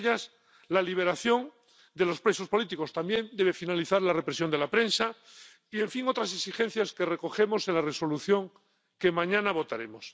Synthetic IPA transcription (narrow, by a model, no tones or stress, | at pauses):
ʎas | laliβ̞e̞ɾaθjo̞n | d̪e̞lo̞spɾe̞so̞spo̞lit̪iko̞st̪ambje̞nd̪eβe̞finaliθaɾlare̞pɾe̞sjo̞nd̪e̞lapɾe̞nsa | ie̞ɱfiŋo̞t̪ɾas̬eksixe̞n̟θjaskere̞ko̞xe̞mo̞se̞nlare̞so̞luθjo̞ŋ | ke̞mãɲãnaβ̞o̞t̪aɾe̞mo̞s